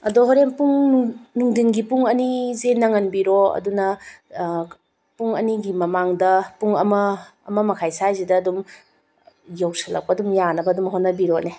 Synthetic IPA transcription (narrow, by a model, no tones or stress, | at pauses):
ɐdoɦoɾempuŋnuŋdinɡipuŋɐnizenɐŋɐnbiɾoɐ̰dunɐ | puŋɐniɡimɐmaŋdɐpuŋɐmɐ̰ːmɐmɐkʰajsajzidɐːdum | jawsɐlɐ̰k̚pɐdumjanɐbɐdumɦonːɐbiɾone